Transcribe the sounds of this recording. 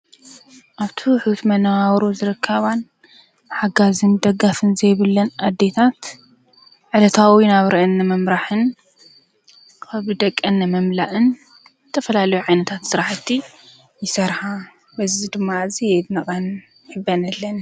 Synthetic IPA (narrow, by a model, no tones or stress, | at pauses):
ʔaβt̪ʰiwħut̪mɐnawawɾozɨɾɨkʰːɐβan | bɨħaɡazɨmd̪ɐɡːafɨnzɐjβɨlːɐnʔad̪ːe̞t̪ʰat̪ | ʕɨlɐt̪ʰawinaβɾʔɐʔɨnːɐmɐmɾaħɨn | kʰɐβɨd̪ɐkʼːɐnːɨmɐmlaʔɨn | zɨt̪ʰɐfɐlalɐjuʕajnɐt̪ʰat̪sɨɾaħɨt̪ʰːi | jɪsɐɾħa | bɐzid̪ɨmːazijɛnɐχʼɐn | ħɨbːɐnɐlːɐn